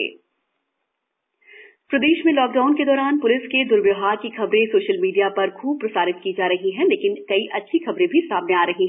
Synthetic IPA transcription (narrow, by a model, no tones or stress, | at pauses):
pɾɐd̪eːʃmẽlɔːk̚ɖaːʊnked̪ɔːɾaːnpʊlɪsked̪ʊɾʋɪɦaːɾkixɐbɾẽsoːʃəlmiːɖijapɐɾkʰuːb̚pɾɐsaːɾɪt̪̚kid͡ʒaːɾɐɦiɦɛ̃leːkɪnkɐiʔɐtːʃʰixɐbɾẽbʱisaːmneaːɾɐɦiɦɛ̃